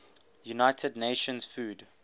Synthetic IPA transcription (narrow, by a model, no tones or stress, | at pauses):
junaɪtʰədneʃə̃nsfuːd